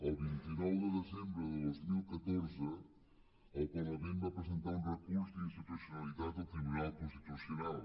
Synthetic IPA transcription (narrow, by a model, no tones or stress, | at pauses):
ɛβint̪inɔwðəðezẽmbɾʊððojzmilkɐt̪oɾzə | ɛkɛɾɐmẽnd̪ɐpɾezẽnt̪aũrɐkuɾsĩnst̪it̪usjunɐliðaðɐfimuɾakũst̪it̪usjunalˠ